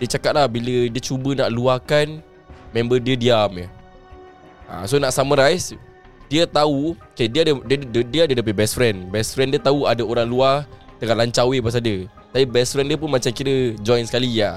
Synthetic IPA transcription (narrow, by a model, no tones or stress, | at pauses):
diət͡ʃakat̪̚lahbilədiət͡ʃubənaʔluakan | mɛ̃mbədiədiamjə | a̰sonaʔsamə̃ɾais | diət̪aukadiədədiədədiəadədap̬ət̪̚bɛsfɾɛnbɛsfɾɛndiət̪auadaoɾaŋluaht̪əŋaʔlaɲt͡ʃawepas̬adə | t̪apibɛsfɾɛndiəp̬ʊnmat͡ʃamkiɾəd͡ʒɔjnsə̥kalija